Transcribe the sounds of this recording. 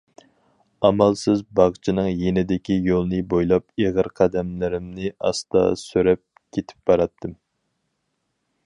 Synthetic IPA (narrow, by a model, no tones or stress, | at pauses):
ɑmɑlˠsɪzbɑʁt͡ʃʰinɨŋjenɪd̪ɪkʲijolˠɨnɨbojlˠɑpeʁəɾqʰɑd̪ɛmlɪɾɪmnɪʔɑ̰st̪ɑ̰søɾɛp̚ | kʲʰet̪ʰɪ̥p̚bɑɾɑt̪ʰːɨm